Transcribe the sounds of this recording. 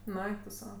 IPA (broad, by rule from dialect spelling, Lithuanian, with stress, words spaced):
nʊ ˈɛɪk tʊ ˈsɐʊ